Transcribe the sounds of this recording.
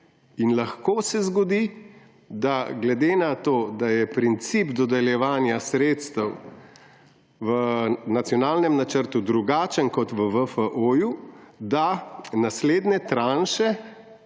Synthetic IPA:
inlaxkoːsɛzɡɔd̪i | d̪aɡlɛd̪eːnat̪oːd̪ajɛpɾint̪sibd̪ɔd̪ɛljɛʋaːnjasɾeːt̪st̪əw | ʋənat̪sjɔnaːlnɛmnat͡ʃəɾt̪ud̪ɾuɡaːt͡ʃənkɔt̪ʋəʋəfəʔoːjud̪anasleːd̪nɛt̪ɾaːnʃɛ

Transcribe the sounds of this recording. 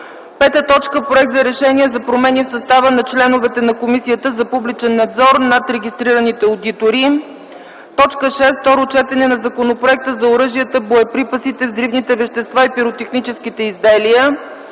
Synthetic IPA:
pɛt̪ət̪ɔt͡ʃkəpɾoʊɛk̚t̪zɐɾɛʃɛniɛzɐpɾomɛnifsɐst̪avənɐt͡ʃlɛnʊvɛt̪ɛnɐkomisijət̪əzɐpublit͡ʃɛnːɐd̪zɔɾnat̪ɾɛɡʲist̪ɾiɾənit̪ɛod̪it̪oɾi | t̪ɔt͡ʃkəʃɛsft̪ɔɾot͡ʃɛt̪ɛnɛnɐzɐkonopɾoɛk̚t̪əzɐoɾɤʒiət̪əboɛpɾipəsit̪ɛvd̪ɾivnit̪ɛvɛʃt̪ɛst̪vaipiɾot̪ɛxnit͡ʃɛskit̪ɛizd̪ɛliə

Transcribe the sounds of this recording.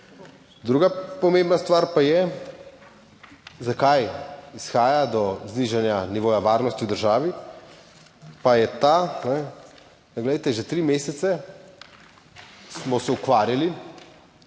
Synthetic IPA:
d̪ɾuːɡapɔmẽmbnast̪ʋaːɾpajɛ | zakajisxaːjad̪ɔzniʒɛnjaniʋoːjaʋaːɾnɔst̪iwd̪əɾʒaːʋi | pajɛt̪anɛ | d̪ɡlɛd̪əjt̪ɛʒɛt̪ɾimeːsɛt̪sɛ | smɔsɛukʋaːɾjali

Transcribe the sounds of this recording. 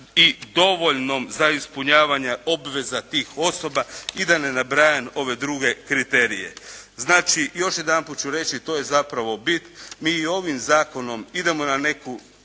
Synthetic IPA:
id̪o̞ʋo̞ʎno̞mzaispuɲaːʋaɲeʔo̞bʋe̞zat̪iːxo̞so̞baid̪ane̞nabɾaːjano̞ʋe̞d̪ɾuɡe̞kɾit̪e̞ɾije̞̰znaːt͡ʃijo̞ʃje̞d̪anpuːt̪̚t͡ʃuɾe̞t͡ʃit̪o̞ːje̞zapɾaʋo̞bit̪nmiːo̞ʋimzaːko̞no̞mid̪e̞mo̞nane̞ku

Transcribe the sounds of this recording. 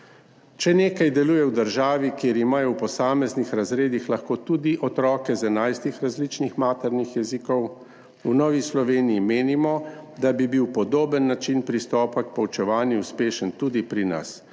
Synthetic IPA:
t͡ʃɛneːkajd̪ɛluːjɛwd̪əɾʒaːʋikjeɾimaːjɔwpɔsaːmɛznixɾazɾeːd̪ixlaxkoːt̪ud̪iʔɔt̪ɾɔːkɛzɛnajst̪ixɾazlit͡ʃnixmaːt̪ɛɾnixjɛzikɔw | unɔːʋislɔʋeːnijimeːnimɔd̪abibiwpɔd̪oːbənːat͡ʃinpɾist̪ɔːpak̚pɔwt͡ʃɛʋaːnjiuspeːʃənt̪ud̪ipɾina̰s

